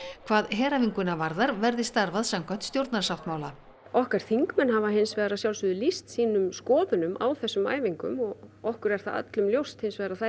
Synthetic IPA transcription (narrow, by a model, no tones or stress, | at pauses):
kʰvaːðɦɛːɾaviŋkʏnavaɾðaɾvɛɾðɪst̪aɾvaðsamkʰɔn̥t̪st̪jowɾt̪naɾ̥sawft̪maːwla | ɔhkaɾ̥θiŋkmɛnɦavaɦensvɛːðɾasjawlsʏðʏlist̪siːnʏmskɔːðʏnʏmʔa̰wθɛsːʏma̰ːjviŋkʏ̰mɔɣɔhkʏɾɛɾ̥θaða̰t̪lʏmljowst̪hensvɛːðɾaθa